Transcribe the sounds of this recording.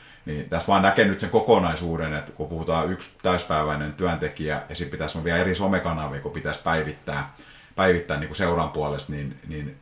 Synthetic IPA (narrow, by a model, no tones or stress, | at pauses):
niːnt̪æst̪ʋɑːnnækenyt̪seŋkokonɑisuːdenet̪kupuhut̪ɑːykst̪æyspæiʋæinent̪yænt̪ekiæjɑsipit̪æsoʋʋiæerisomekɑnɑʋikupit̪æspæiʋit̪ːæː | pæiʋit̪ːæːniːŋkuseurɑmpuɑlest̪ninnin